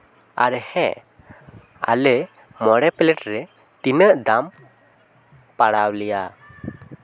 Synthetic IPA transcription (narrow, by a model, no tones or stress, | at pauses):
aɾɛhɛ̃ | a̰lɛ | mɔɽɛpɛlɛʈɾɛ | t̪inəʔd̪am | paɽawlija